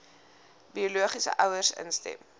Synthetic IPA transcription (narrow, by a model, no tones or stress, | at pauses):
biuluəχisə̰ʔœwərsə̰nstɛ̰m